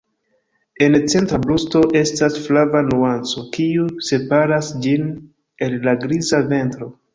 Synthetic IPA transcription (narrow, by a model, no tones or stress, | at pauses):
e̞nt͡se̞ntɾablusto̞ʔe̞stasflavanuant͡so̞kiuse̞paɾasd͡ʒin | e̞lːaɡɾizave̞ntɾo̞